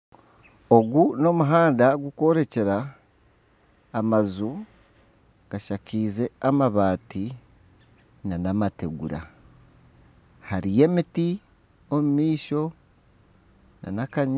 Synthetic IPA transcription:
o̞ɡuno̞muɦaːndaɡuko̞ɾe̞ce̞ɾa | mazu | ɡ̥aʃakiːze̞amaβaːti | nanamate̞ɡṵɾa̰ | haɾije̞miti | omumiːʃo̞ | na̰nakaɲ

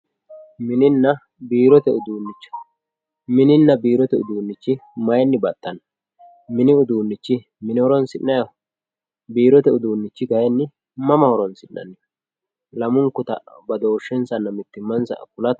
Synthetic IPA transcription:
mɪnɪnːɐ | biːɾɔt̪ɛʔʊd̪uːnːɪt͡ʃːɐ̥ | mɪnɪnːɐbiːɾɔt̪ɛʊ̰d̪uːnːɪt͡ʃːɪmɐjɛnːɪbɐt̪ːɐn | mɪnɪʊd̪uːnːɪt͡ʃːɪ | mɪnɪhɔɾɔnsɪnːɐjɐ | biːɾɔt̪ɛʊd̪uːnːɪt͡ʃːɪɡɐjɛnːɪ | mɐmɐhɔɾɔnsɪnːɐ̰nːɪ | lɐmʊŋkːʊt̪ɐ̰bɐd̪o̞ːʃːɛnsɐnːɐmɪt̪ːɪmːɐnsɐ̰kʊlɐt̪

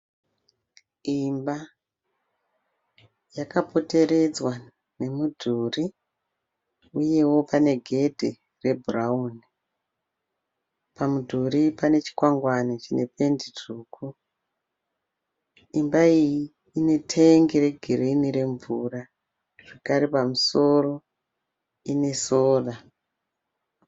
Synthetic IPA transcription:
imba | jakapo̞te̞ɾe̞d͡zwa | ne̞mudʱuri | uje̞wo̞pane̞ɡʱe̞dʱi | re̞bʱurauni | pamudʱuɾipane̞t͡ʃi̥kwaŋɡwanit͡ʃine̞pe̞ndiduːkʰu | imbaijiː | ne̞tʰeŋɡiɾe̞ɡʱiɾiniɾe̞ɱvura | ʐ̥ekaɾepamuso̞ro̞ | ine̞soːra

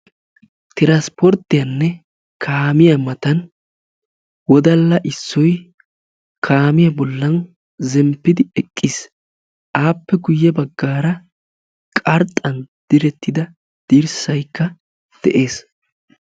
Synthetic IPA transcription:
t̪ɪɾaspɔɾt̪ːɪjɐnːɛ | kʰaːmɪjɐmɐt̪ɐn | wɔd̪ɐlːɐʔɪsːɔj | kʰaːmɪjɐbɔlːɐn | zɛmpːɪd̪ɪɛkʼːiːs | ʔaːpːɛɡʊjːɛbɐɡːaːɾɐ | kʼɐɾt̪ʼːɐnd̪̥ɪɾɛt̪ːɪd̪ɐ | d̪̥iːɾsɐjkːɐ | d̪̥ɛ̰ʔeːs

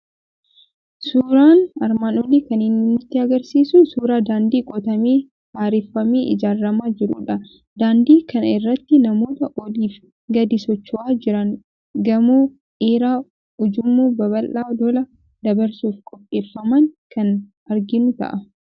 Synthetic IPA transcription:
suːɾaːnɐɾmaːnɔlikɐnɪnːɪnːɪt̪ːɪɐɡɐɾsiːsʊnsuːɾaːd̪aːnd̪iːkʼɔt̪ɐmiː | haːɾɪfːɐmiːʔɪ̰d͡ʒaːrːɐmaːd͡ʒɪɾṵᶑɐ | d̪̥aːnd̪iːkɐnɪrːɐt̪ːɪnɐmo̞ːt̪ɐʔɔliːf | ɡɐd̪ɪsɔt͡ʃːʊʔaːd͡ʒɪɾɐŋ | ɡɐmuː | ʔeːɾaː | ʊd͡ʒʊmːuːbɐβɐlʔaːd̪ɔlɐ | d̪ɐbɐɾsuːfkʼɔpʼːeːfːɐmɐŋkɐn | ɐɾɡɪnʊt̪ɐ̰ʔɐ

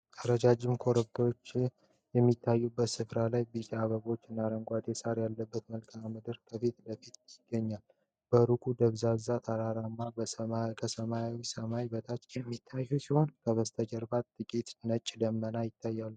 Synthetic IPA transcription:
ʔ̪ʰəɾəd͡ʒad͡ʒɪmkʰo̞ɾəd̪əɾo̞t͡ʃː | jɛmːit̪ʰːajːubːət̪sɨfɾalajbit͡ʃʼaβəɡo̞t͡ʃːɪnːaɾəŋɡʷad̪esaɾjalːəbːət̪məlkʰammɨd̪ɨɾkʰəfit̪bəfit̪jɪɡ̥ːəɲːal | bəɾukʼud̪əβzazat̪ʰaɾaɾamːabəkʰəsəmajawisəmabət̪ʰat͡ʃ̪jɛmːit̪ʰːajːusiho̞nkʰəβəst̪ʰəd͡ʒəɾbat̪t̪ːʼɨkʼit̪nət͡ʃʼːd̪əmːənajɪt̪ʰːajːalː

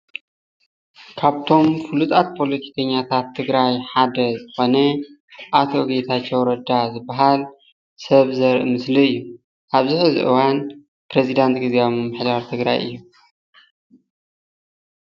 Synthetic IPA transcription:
kʰaβt̪ʰo̞mfɨlut̪ʼat̪̚pʰo̞lɐt̪ʰi̥kʰɐɲːat̪ʰat̪ʰːɨɡɾajħad̪ɐzɨxo̞nɐ | ʔat̪ʰo̞ɡet̪ʰat͡ʃːewɾɐd̪azɨbːaɦal | sɐβzɐɾʔɨmɨsliɨjːu | ʔaβziħɨzḭʔɨ̰wan | pɾezid̪ant̪ɡɨzamɨmɨħd̪aɾt̪ʰɨɡɾa̰jʔɨ̰jːu

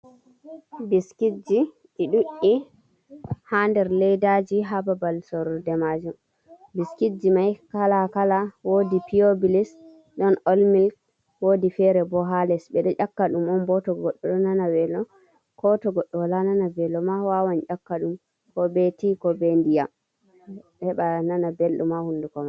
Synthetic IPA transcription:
biskid͡ʒi | ʔiɗuʔi | handɛɾlɛjdad͡ʒiɦababalsɔɾɔdɛmad͡ʒum | biskid͡ʒimajkalakalawodipiobilis | ɗɔnolmilk | wodifɛɾɛbɔɦalɛsbɛɗɔʔakːaɗumɔmbɔtɔɡɔɗːɔɗɔnanawɛlɔ | kɔtɔɡɔɗːɔwalananabɛlɔmawawaɲʔakːaɗum | kɔbetikɔbendijam | hɛɓananabelɗumahundukɔma

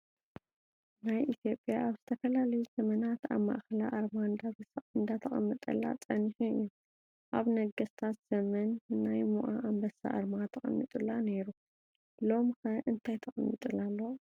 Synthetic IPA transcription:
najʔit̪ʰjo̞pʼjaʔaβzɨt̪ʰɐfɐlalɐjuzɐmɐnat̪a̰βma̰ʔxɐla̰ʔaɾmand̪aɨnd̪at̪ʰɐχʼɐ̰mːɨt̪ʼɐ̰lːa̰t͡sʼɐnħuɨjːu | ʔaβnɐɡɐst̪ʰat̪z̥ɐmɐnːajmuʔa̰ʔambɐsa̰ʔa̰ɾmat̪ʰɐχʼɐ̰mːit̪ʼɨlane̞ɾu | lo̞mxɐʔɨnt̪ʰajt̪ʰɐxʼɐmːit̪ʼɨlalːo

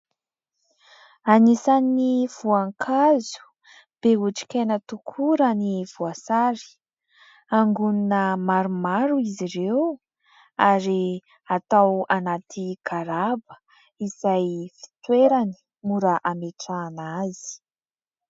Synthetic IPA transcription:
anisaniniv̥uaŋkʰazu̥ | b̥euʈ͡ʂi̥kenət̪ukʰuɾəniv̥uasaɾi̥ | aŋɡuninəmaɾumaɾuiziɾew | aɾi | at̪awanat̪ʰiɡaɾabə̥ | izajfi̥t̪weɾani̥ | muɾaʔameʈ͡ʂaːnazi̥

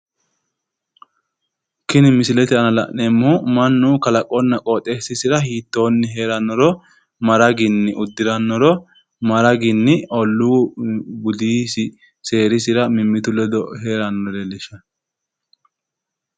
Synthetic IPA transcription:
kɪnɪmɪsɪlɛt̪ɪɐnɐlɐ̰ʔnɛmːumɐnːuːkɐlɐkʼɔnːɐkʼoːt̪ʼːeːsɪsɪɾɐhiːt̪ːo̞ːnːɪɦeːɾɐnːɔɾɔ | mɐɾɐɡɪnːɪʔʊd̪ːɪɾɐnːɔɾɔ | mɐɾɐɡɪnːɪʔɔlːu | bʊd̪iːsɪ | se̞ːɾɪsɪɾɐmɪmːɪt̪ʊlɛd̪ɔheːɾɐnːɔɾɛlɪʃɐ

